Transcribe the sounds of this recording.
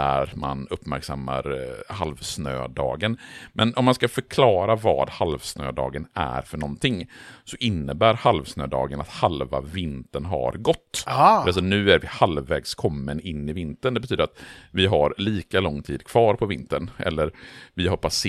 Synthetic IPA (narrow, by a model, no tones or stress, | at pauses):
æ̰ɾma̰nɵpːmæɾksamːa̰ɾhalvsnø̰ːd̪ɑ̰ːɡənmʔɛnʔɔmːanskafœɾkʰlɑːɾavɑ̰ːd̪halvsnø̰ːd̪ɑ̰ːɡənæ̰ɾfœɳɔnt̪ʰɪŋsɔʔɪnːəbæːɾhalvsnøːd̪ɑ̰ːɡənat̪halva̰vɪnt̪ənɦa̰ɾɡɔt̪ːasɔnʉ̟ːæɾvɪhalvːɛːɡskʰɔmːənɪnːɪvɪnt̪ənd̪ɛbɛt̪ʰyːd̪ɾat̪vɪɦaɾliːkalɔŋːt̪ʰiːd̪kʰv̥ɑːɾpʰɔvɪnt̪ənʔɛ̰lːəɾvɪhaɾpʰas